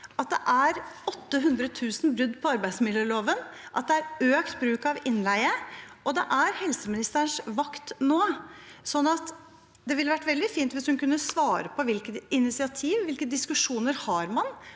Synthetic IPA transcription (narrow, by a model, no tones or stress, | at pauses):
ɑt̪̚d̪ɛ̰ʔæɾɔt̪ːəɦʉnd̪ɾət̪ʰʉːsn̩bɾʉd̪ːpʰɔɑɾbæɪsmɪlːəɭoːʋənʔɑt̪̚d̪ɛæɾøːkt̪bɾʉːkɑʋɪnlæɪəʔɔd̪ɛ̰ʔæɾhɛlsəmɪnɪst̪əɾəɳʂʋɑkt̪noːsɔnːɑt̪ | d̪ɛʋɪlːəʋæʈːʋɛld̪ɪfiːnt̪ʋɪshʉnkʉnːəsʋɑːɾəpʰɔʋɪlkət̪ɪnɪt̪sɪɑt̪ʰiːʋʋɪlkəd̪ɪskʉʂuːnəɾhɑɾmɑn